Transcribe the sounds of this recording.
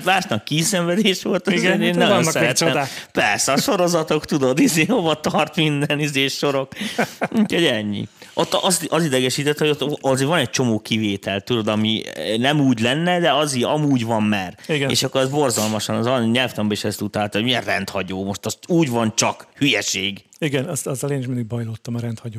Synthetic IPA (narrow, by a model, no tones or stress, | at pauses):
maːʃnɒkːiːsɛɱvɛd̪eːʃʋo̞lt̪ɒzeeːnnɔjonːsɛɾɛt̪ːɛmd̪apɛrsɛɒʃo̞ɾo̞zɒt̪o̞kt̪ud̪od̪izeːnhovɒt̪ɒrt̪mind̪ɛnizeːʃːo̞ɾo̞kuːcho̞ɟɛɲːḭʔot̪ːɒst̪ɒzid̪ɛɡɛʃiːt̪ɛt̪ːhojot̪ːɒzeːvɒnɛc̚t͡ʃo̞moːkiveːt̪ɛlt̪ud̪o̞d̪ɒminɛmuːɟlɛnːɛd̪ɛɒziɒmuːɟvɒmːɛːriɡ̪ḛːʃɒkːoɾɛzbo̞rzɒlmɒʃɒnɒzɒɲɛlft̪ɛmbɛeʃɛst̪ut̪alt̪oɟmiɛnrɛnt̪hɒɟoːmo̞ʃt̪ɒst̪uːɟvɒnt͡ʃɒkhyjɛʃeːɡ | iɡɛnɛzɑzɒleːniʃ̬mind̪iɡbɒjloːt̪ːɒmɒɾɛnt̪hɒɟoː